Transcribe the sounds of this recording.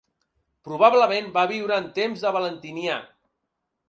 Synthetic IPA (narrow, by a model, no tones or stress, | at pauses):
pɾuβ̞aβləmẽnbaβiwɾəːnt̪emzðəβələnt̪inja